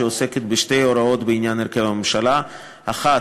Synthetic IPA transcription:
eoseket̪beʃte̞jo̞ɾao̞t̪beinjanheɾkevamemʃala | aχa

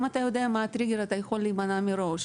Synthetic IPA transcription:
mat̪ajo̞d̪eamaːt̪ɾiɡeɾat̪ajexo̞lːiːmanamiɾo̞ʃ

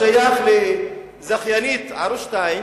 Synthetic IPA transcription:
ajaχle | zaχjanit̪aɾuʃt̪aim

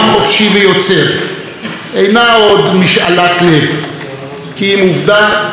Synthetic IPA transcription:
χo̞fʃivejo̞t͡seʁ | ʔejnao̞d̪miʃa̰latlev | kiimuvd̪a

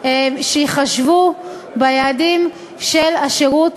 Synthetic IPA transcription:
ʃeiχaʃvu | bajaːdim | ʃelaʃeʁut

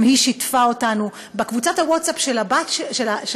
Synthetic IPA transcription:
mhiʃitfaotanu | bekvut͡sathawotsapʃelabatʃʃelaʃ

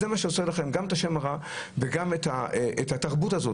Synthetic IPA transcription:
zemaʃeoselaχe̞mɡametaʃe̞maʁa | veɡamet̪haʔethataʁbutazo̞

